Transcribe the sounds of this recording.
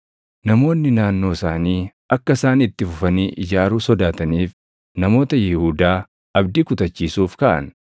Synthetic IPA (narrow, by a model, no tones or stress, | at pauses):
nɐmo̞ːnːɪnaːnːo̞ːsaːniː | ʔɐkːɐsaːnɪt̪ːɪfʊfɐniːʔɪd͡ʒaːɾuːsɔd̪aːt̪ɐniːf | nɐmo̞ːt̪ɐjɪhuːd̪aː | ɐbd̪ikʊt̪ɐt͡ʃːiːsuːfkɐʔɐ̰n